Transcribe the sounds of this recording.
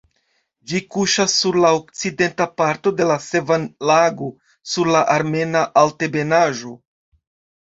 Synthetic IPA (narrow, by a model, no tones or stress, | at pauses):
d͡ʒikuʃasːuɾlaok̚t͡side̞ntapaɾto̞de̞lase̞vanlaɡo | suɾlaʔaɾme̞naʔalte̞be̞naʒo̞